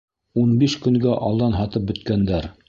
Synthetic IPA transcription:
unbiʃkɵ̆ŋɡæʔɑlˠd̪ɑnɦɑt̪ɤp̚bɵ̆t̪̚kænd̪æɾ

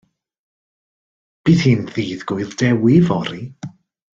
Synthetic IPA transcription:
b̥iːðhɨːnðiːðɡʊɨldɛwɪvɔɾi

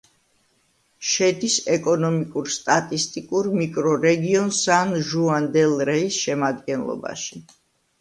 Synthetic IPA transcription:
ʃɛd̪isɛkʼɔnɔmikʼuɾst̪ʼat̪ʼist̪ʼikʼuɾmikʼɾɔɾɛɡiɔnsanʒuand̪ɛlˠɾɛisʃɛmad̪ɡɛnlˠɔ̰ba̰ʃi

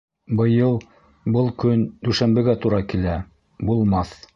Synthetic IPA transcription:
bɤ̆jɤlˠ | bɤlˠkɵnd̪ʉʃænbɘ̆ɡæt̪uɾɑkilæ | bulˠmɑθ

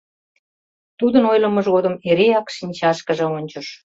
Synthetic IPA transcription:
t̪ud̪ənojlə̆məʒɣod̪əmeɾeɑkʃinʲt͡ɕɑʃkə̆ʒĕonʲt͡ɕəʃ

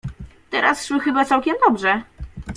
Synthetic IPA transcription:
t̪ɛɾasʂwɘxɘbat̪sawkʲɛmd̪ɔbʐɛ

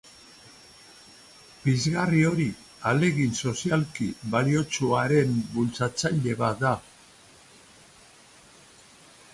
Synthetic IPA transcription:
bizɣario̞ɾi | ale̞ɣinso̞sialkiβalio̞t͡suaɾe̞mbult͡sat͡saʎe̞βad̪a

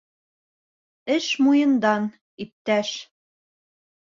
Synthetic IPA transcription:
ɘʃmujɤ̆nd̪ɑn | ip̚t̪æʃ

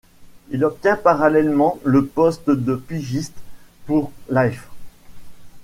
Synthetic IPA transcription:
ilɔp̚t̪jɛ̃paʁalɛlmɑ̃ləpɔst̪d̪əpiʒist̪puʁlajf

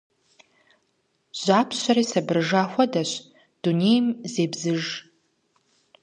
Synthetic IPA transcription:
ʒ̥ʷaːpʰɕʷɐɾiːsɐbɨrʐaːxʷɐdɐɕ | d̥unejmzeːbzɨʒ

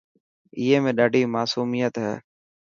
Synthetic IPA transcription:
ɪːeːmẽːɗaːɖʱiːmaːsuːmijət̪ɦɛ̰ː

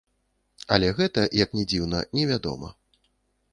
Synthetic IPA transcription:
ɐlʲɛɣɛt̪ɐjɐknʲɛd͡zʲiwnɐ̰nʲɛvʲad̪ɔ̰mɐ̰

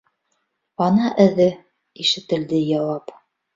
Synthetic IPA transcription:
ɑnɑʔɘ̆ðɘ | iʃɘ̆t̪ɘ̆ld̪ɘjɑwɑp

